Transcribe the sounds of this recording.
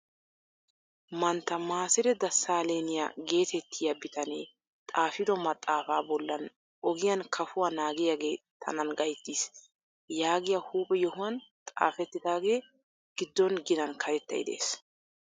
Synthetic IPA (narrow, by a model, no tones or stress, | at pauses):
mɐnt̪ːɐmaːsɪd̪ɛd̪ɐsːaːle̞ːnɪja̰ɡe̞ːt̪ʰɛt̪ːɪjɐbɪt̪ɐneː | t̪ʼaːfɪd̪ɔmɐt̪ʼːaːfaːbɔlːɐn | ʔɔɡɪjɐnkʰɐfʊwanaːɡɪjaːɡe̞ːt̪ʰɐ̰nɐnɡɐjt̪ːiːs | jaːɡɪjɐhuːpʼɛjɔhʊwɐnt̪ʼa̰ːfɛt̪ːɪd̪aːɡe̞ː | ɡ̥ɪd̪ːɔnɡɪnɐnkʰɐɾɛt̪ːɐ̰jd̪ḛːs